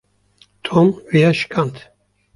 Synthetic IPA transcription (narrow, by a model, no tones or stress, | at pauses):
t̪ʰomvijaʃkʰant̪ʰ